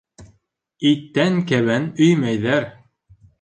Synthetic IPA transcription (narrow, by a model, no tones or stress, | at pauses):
it̪ːæŋkæβænɵjmæjðæɾ